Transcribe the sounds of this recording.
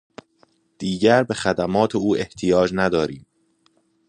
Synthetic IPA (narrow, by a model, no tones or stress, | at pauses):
d̪̥iːɟæɾbe̞xæd̪æmɒːt̪ʰeuːʔe̞ht̪ʰijɒːd͡ʒnæd̪ɒːɾiːm